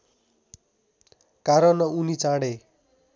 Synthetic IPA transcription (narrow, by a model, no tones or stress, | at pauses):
kaɾʌnʌunit͡saɽe